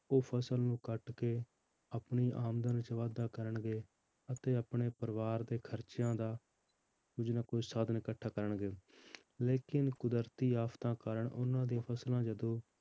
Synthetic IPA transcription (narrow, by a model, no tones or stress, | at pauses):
oːpʰəsəlnũːkəʈkeː | əpɳiːʔaːmd̪ənt͡ʃəʋaːd̪aːkəɾəɳɡeː | ət̪eːəpɳeːpəɾʋaːɾd̪eːkʰəɾt͡ʃjãːd̪aː | kʊd͡ʒnaːkoːsaːd̪nɪkəʈʰːaːkəɾəɳɡeː | leːkɪnkʊd̪əɾt̪iːaːpʰt̪ãːkəɾəɳʔʊnãːd̪ijãːpʰəslãːd͡ʒəd̪õː